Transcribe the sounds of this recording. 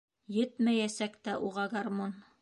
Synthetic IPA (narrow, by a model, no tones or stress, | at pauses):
jɘt̪mæjæsækt̪æʔuʁɑɡarmon